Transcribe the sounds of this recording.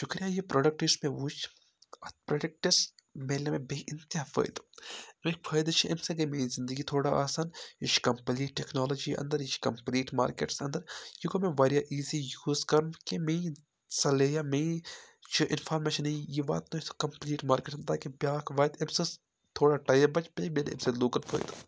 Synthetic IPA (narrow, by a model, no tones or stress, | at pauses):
ʃʊkɾijajipɾoːɖɐk̚ʈismẽʋut͡ʃʰ | ɐt̪̚pɾɐːɖɐk̚ʈismeːlɐmẽbeɪnt̪aːpʰɐ̰jd̪mekpʰɐjd̪t͡ʃʰiʔemsɐɡɐmeːɾizɪnd̪əɡit̪ʰoːɽaʔaːsaːnit͡ʃkɐmpliːʈʈːeknaːloːd͡ʒḭʔɐ̰̃nd̪ɐɾit͡ʃʰkɐmpliːʈma̰ːɾkḛːʈsɐnd̪ɐɾjiɡomẽʋɐːɾjaʔiːzijuːzkɐɾkeme | sɐleːjamẽt͡ʃʰuʔɪnfʰaːɾmeːʃɐnejiba̰ːt̪not̪ʰo̥kɐmpliːʈmaːɾkeːʈsnt̪akebjaːkʰʋaːjd̪ebsɐs | t̪ʰoːɽaʈɐjɐbɐt͡ʃbeːbʲeːnḛmseloːkɐlfʰɐ̰ːjd̪